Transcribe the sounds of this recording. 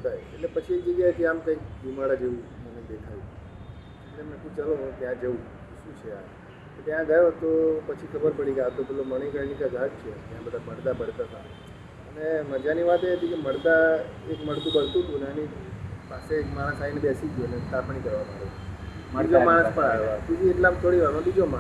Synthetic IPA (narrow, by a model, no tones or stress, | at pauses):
ət̪ajḛtlepət͡ʃʰiek̚d͡ʒəɡjaɦət̪iamkə̃ik̚b̪ʱumaɽad͡ʒeʋũməned̪ekʰajũ | eʈlemənekũbt͡ʃaloɦũt̪jãd͡ʒəũ | ʃũt͡ʃʰea̰ | ket̪jãɡəjot̪opət͡ʃʰikʰəbəɾpəɽikaʋt̪obəloməɽ̃əkəɾnikaɡad͡ʒt͡ʃʰet̪jãbəd̪ʱabməɽd̪abəɽt̪at̪a̰ | əneməd͡ʒaniʋat̪eɦət̪ikeməɽd̪aekməɽt̪ũbəɽt̪ũt̪ũneənipasekmaɽ̃ə̃sainebɛsid͡ʒunet̪apɳ̃ikəɾʋamaɽe | id͡ʒomaɽ̃ə̃spəɾajot̪id͡ʒ̪ieʈlat̪ʰoɽiʋaɾõbid͡ʒoma